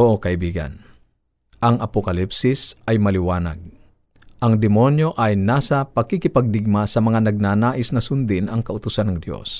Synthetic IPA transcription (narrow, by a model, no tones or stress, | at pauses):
oʔokɐʔɪbiːɡɐ̰n | ʔɐŋɐpokɐlipsɪsʔɐjmɐlɪwaːnɐ̰ɡ̚ | ʔɐŋd̪ɪmo̞njoʔɐjnaːsɐpɐkikɪpɐɡ̚d̪ɪɡ̚masɐmɐŋanɐɡ̚naːnaːʔɪsnɐsʊnd̪ɪnɐŋkɐʔʊt̪ʊsanɐŋd̪jo̰s